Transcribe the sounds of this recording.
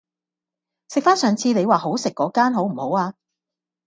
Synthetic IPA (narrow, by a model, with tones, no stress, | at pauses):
sɪ˨k̚faː˥nsœː˨ŋt͡sʰiː˧ne˨˧jwaː˨ɦo˨˥wsɪ˨kːɔː˨˥kaː˥nɦo˨˥wm̩˨˩ho˨˥waː˧